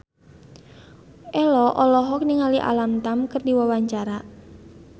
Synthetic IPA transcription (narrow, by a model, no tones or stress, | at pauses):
ʔɛlɔʔɔlɔɦɔk̚niŋaliʔa̰lamt̪amkɨrdiwawaɲt͡ʃaɾa